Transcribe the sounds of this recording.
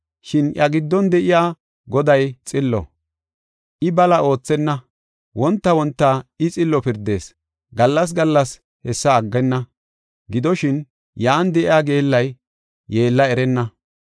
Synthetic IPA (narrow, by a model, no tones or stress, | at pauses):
ʃɪnjɐɡɪd̪ːɔnd̪ɛʔɪjaː | ɡɔd̪ɐjt͡sʼɪlːɔ̰ | ʔɪbɐlɐo̞ːt͡sːɛnːɐ | wɔnt̪ːɐwɔnt̪ːaɪt͡sʼɪlːɔpɪɾd̪e̞ːs | ɡɐlːɐs̬ɡɐlːɐs | hɛsːɐːɡːɛnːɐ | ɡɪd̪ɔʃɪn | jaːnd̪ɛʔɪjaːɡe̞ːlːɐjː | e̞ːlːɐɛɾɛnːɐ